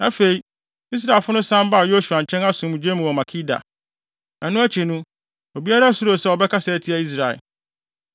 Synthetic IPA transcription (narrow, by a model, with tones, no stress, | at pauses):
na˨fe˨i˨ | i˦s̬ɾa˨lfʊ˦nʊ̃˦sã˦m˦ba˦˨jo˦su˨a˨ɲ̩˨t͡ɕʰɛ̃˦na˦sũ˨˦m̃˨d͡ʑe˦mũ˨ɔ˨mã˨kʰi˦da̰˨ | nã˨nʊ̃˦æ˦t͡ɕʰi˨nʊ̃˦ | o˨bi˦a˦ɾa˦sʊ˦ɾo˨sɛ˦wɔ˨bɛ˦kʰa˦sɛ˨tʰi˦a˨i˦s̬ɾa˨ḛ˨